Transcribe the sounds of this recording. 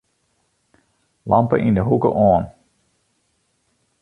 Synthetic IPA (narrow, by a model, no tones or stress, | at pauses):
lʔɑmpə̰ʔindəɦukə̰ʔɔːn